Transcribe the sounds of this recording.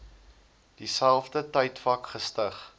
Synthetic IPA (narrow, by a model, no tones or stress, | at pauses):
d̥isælˠfdətəjtfɐkχəstəχ